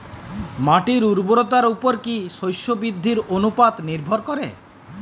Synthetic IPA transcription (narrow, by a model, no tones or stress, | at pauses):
maʈiɾuɾboɾot̪aɾupoɾkiʃojʃobɾid̪ʱːiɾonupat̪niɾbʱoɾkɔɾḛ